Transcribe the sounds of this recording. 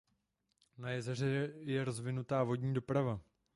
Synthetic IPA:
najɛzɛr̝ɛjɛɾo̞zvɪnut̪aːvo̞ɟɲiːdopɾava

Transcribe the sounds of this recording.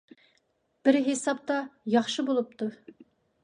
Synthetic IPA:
b̥ɪɾɦesɑp̚t̪ɑjɑχʃɨbolˠup̚t̪ʰu

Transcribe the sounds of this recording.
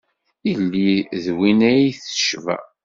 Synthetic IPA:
ilːiðwinæjiθə̥ʃvæ̰

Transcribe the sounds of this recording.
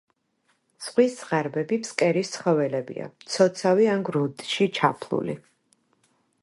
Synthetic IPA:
sʁwisʁaɾbɛbipskʼɛɾist̪sʰχɔvɛlɛbḭa̰mt̪sʰɔt̪sʰaviaŋɡɾund̪ʼʃit͡ʃʰapʰlˠṵlḭ

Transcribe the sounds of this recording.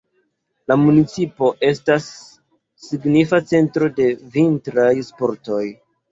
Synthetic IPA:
lamunit͡sipo̞ʔe̞stasː | iɡnifat͡se̞ntɾo̞de̞vintɾajspo̞ɾto̞j

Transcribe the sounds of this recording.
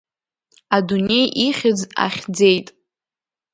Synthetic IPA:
adune̞jʔiχʲɪd͡za̰χʲd͡zejtʼ

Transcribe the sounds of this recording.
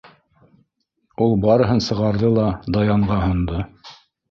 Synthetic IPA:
ulˠbɑɾɤ̆ɦɤnsɤ̆ʁɑɾðɤlˠɑd̪ɑjɑɴʁɑɦŏnd̪ɤ

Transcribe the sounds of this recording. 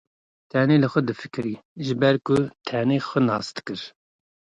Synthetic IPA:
t̪ʰɛneːlɨxɛd̪ɨfɨ̥kɨɾiːʒɨbɛɾkʰʊt̪ʰɛneːxʷənɑ̰ːst̪ɨ̥kɨɾ

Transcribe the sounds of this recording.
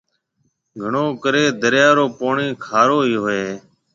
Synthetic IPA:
ɡʱəɳoːkəɾeːd̪əɾjaːɾoːpoːɳiːkʰaːɾoːɦiːɦoeː

